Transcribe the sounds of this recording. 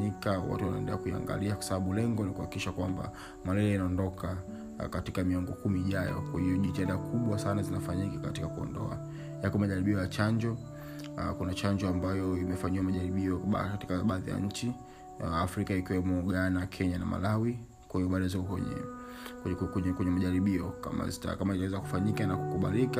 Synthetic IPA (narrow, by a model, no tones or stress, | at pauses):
ɲikawa̰tuwana̰ɛ̰nda̰akuia̰ŋɡa̰liakwasaɓaɓulɛŋɡɔnikuha̰kikiʃakwamba̰ | malɛliinaɔndɔkʰa | katikamiɔŋɡɔkumiːʄajɔ̰kwahiɔʄitiaɗakʰuɓwasanazinafaɲikakatikakuɔ̰ndɔ̰a̰ | jakɔmaʄaɾiɓiɔjat͡ʃaɲd͡ʒɔ | kunat͡ʃaɲd͡ʒɔambajɔimɛfaɲiwamaʄaɾiɓiɔɓa̰kati̥kaɓaːðḭja̰ɲ̩t͡ʃi | afɾikaikiwɛmɔɠanakʰɛɲana̰ma̰lawi | kwahijɔɓaːɗazikɔwɛ̰ɲɛ̰ | ɛkɛɲɛkwɛɲɛmaʄaɾiɓiɔka̰ma̰zita̰kamaitawɛzaku̥faɲikanaku̥kuɓa̰lika